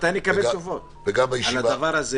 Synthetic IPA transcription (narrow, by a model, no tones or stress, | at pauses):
t̪ajnmekabbet̪ovo̞t̪ | beɡamajiʃalavdavaʁaze